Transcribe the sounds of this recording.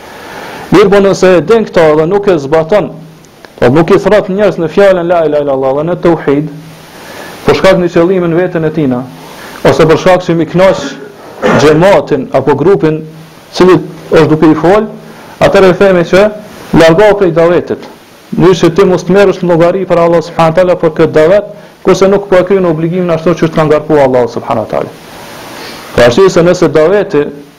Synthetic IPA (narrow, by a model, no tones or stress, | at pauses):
miɾbɔnənsɛd̪ɛŋkt̪aɛðɛnukɛzbat̪ɔn | ɔ̰nukːiθɾat̪ɲɛɾznəfjalənlailailalˠːɑðɛnət̪ːɔwħid̪ | pəɾʃkak̪nət͡ʃɛlˠiminvɛt̪ənɛt̪ina | ɔsɛpəɾʃkakt͡ʃəmiknat͡ʃ | d͡ʒɛmat̪inapɔɡɾupin | t͡siliɔʃ̬d̪ukɛifɔl | at̪ɛɾɛθɛmɛt͡ʃəlaɾɡɔwpɾɛjd̪avɛt̪it̪ | nyt͡ʃət̪imɔst̪mɛɾəʃt̪nlˠɔɡaɾipaɾaːlˠːasub̥ħanawat̪aːlapəɾkət̪̚d̪avɛt̪̚ | kuɾsɛnukːpɔɛkɾynɔbliɡiminaʃt̪ɔt͡ʃəəʃt̪kanŋɡaɾkuaalˠːasubħa̰nawa̰t̪a̰ːla̰ | pɔaɾsiɛsɛnəsɛd̪avɛt̪i